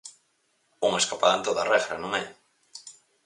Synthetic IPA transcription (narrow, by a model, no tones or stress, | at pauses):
uŋeskapaðant̪oðarɛɣɾanõŋɛ